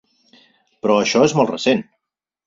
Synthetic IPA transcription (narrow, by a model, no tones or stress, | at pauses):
pɾɔəʃɔezmɔlˠtrəsen